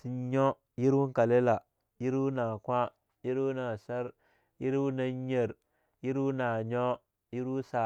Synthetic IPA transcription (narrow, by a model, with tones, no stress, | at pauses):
si˨˦ɲo˦ | ji˦ɾwu˦ŋ˦ka˨le˦la˨ | ji˦ɾwu˦na˨kʷa˦ | ji˦ɾwu˦na˨sa˦ɾ | ji˦ɾwu˦na˦ɲ˦e˨ɾ | ji˦ɾwu˦na˨ɲo˦ | ji˦ɾwu˦sa˨